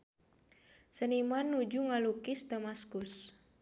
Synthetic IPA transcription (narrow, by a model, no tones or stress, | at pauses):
sənimanːud͡ʒuŋalukɪsdamaskus